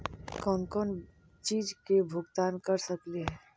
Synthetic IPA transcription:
kɔ̃ːnkɔːn | t͡ʃiːd͡ʒkebʱʊɡt̪aːnkɐɾsəkleɦɛː

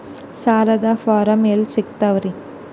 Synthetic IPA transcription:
saːlɐd̪ɐfaːɾɐmeːlsik̚t̪ɐʋɾi

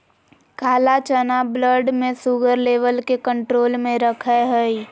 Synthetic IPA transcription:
kaːlat͡ʃənabləɾɖmẽsuɡəɾleːʋəlkekə̃ɳʈɾoːlmẽɾəkʰɛɦəi

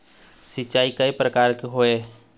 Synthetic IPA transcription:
sɪt͡ʃaːikaipɾəkaːɾkeɦoːe

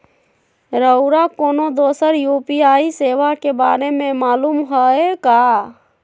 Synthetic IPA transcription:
ɾəʊɾakonod̪osəɾjupiaiseʋakebaɾemẽmaːlumɦəeka

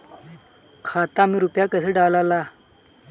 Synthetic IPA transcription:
kʰaːt̪amiɾupjaːkɐsʰeɖaːlalaː

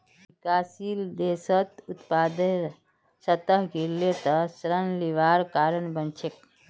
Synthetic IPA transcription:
bikasild̪esət̪ut̪pad̪e | sət̪əɦɡʱiɾlet̪əsɾənliʋaɾkaɾənbənt͡ʃʰek̚

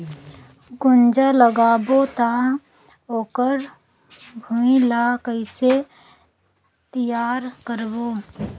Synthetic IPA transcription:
ɡʊnd͡ʒaləɡaːbot̪a | oːkəɾ | bʱuilaːkəɪse | t̪ijaːɾkəɾboː

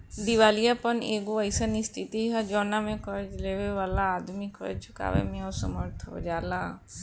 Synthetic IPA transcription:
d̪iʋaːlijapəneːɡoəɪsənist̪ʰit̪iɦad͡ʒɔːnamẽkəɾd͡ʒleːʋeʋaːlaːd̪mikʰə̰ɾt͡ʃʰʊ̥ka̰ːʋḛmẽosə̰məɾt̪ʰd͡ʒaːlaː

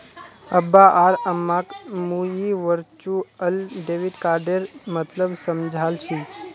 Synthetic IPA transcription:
əbːaʔaɾəmːãkmujiʋəɾt͡ʃuəlɖeʋiɖkaɾɖeɾmət̪ləbsəmd͡ʒʱalt͡ʃʰi

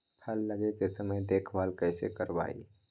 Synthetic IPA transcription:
pʰɐlːɐɡekesəməjd̪eːkʰbaːlkɛːsḛkɐɾʋa̰ːḭ

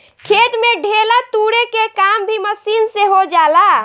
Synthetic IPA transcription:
kʰet̪meɖʱelat̪uɽekekambʱiməsinseɦod͡ʒala

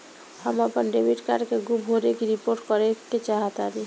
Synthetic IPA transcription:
həməpənɖebiʈka̰ɾkeɡubʱɦoɾekiɾipoɾʈkɔɾeket͡ʃaɦət̪aːɾi

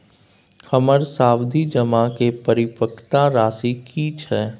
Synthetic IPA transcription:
həməɾsaːwd̪ʱid͡ʒəmakepəɾɪpəkʰt̪aɾaːsikiːt͡ʃʰɛː

